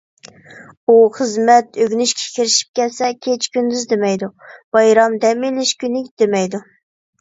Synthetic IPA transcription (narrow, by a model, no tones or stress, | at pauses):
uχəzmɛt̪øɡʲnyʃkʲʰɛ̥kʲʰiɾɪʃi̥p̚kʲɛt̪sɛkʲʰet͡ʃkʲynd̪yzd̪emɛjd̪ub̥ɑjɾɑmd̪ɛmilɪʃkʲynɪkʲd̪̥emɛjd̪u